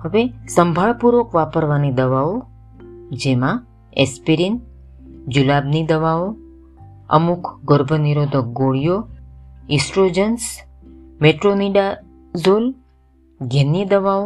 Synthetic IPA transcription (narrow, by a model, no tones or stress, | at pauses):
həʋesəmbʱaɭpuɾokʋapəɾʋanid̪əʋao | d͡ʒemã | espiɾin | d͡ʒulabnid̪əʋao | ə̰mukʰɡəɾbʱəniɾod̪ʱək̚ɡoɭijo | ɪ̃sʈɾod͡ʒəns | meʈɾoniɖa | zol | ɡenid̪əʋao